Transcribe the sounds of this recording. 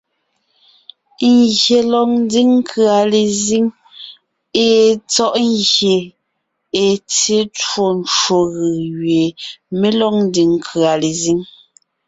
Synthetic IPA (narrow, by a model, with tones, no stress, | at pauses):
ŋɣje˨lɔ˨ŋn˦di˦ŋŋ̩˦kʰɰa˨le˨zi˦ŋ | e˨t͡sɔ˦ʔŋɣje˨ | e˨t͡se˦two˨n˨t͡ʃwo˨ɣɯ˨ɣɥe˨me˦lɔ˦ŋ̚n̩˦di˨ŋŋ˦kʰɰa˨le˨zi˦ŋ